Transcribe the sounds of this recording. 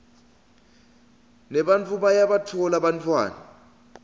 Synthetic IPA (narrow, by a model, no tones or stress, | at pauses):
nɛɓant͡fʰʼuɓajaɓatʰɔlaɓantʰʼwa̰ːna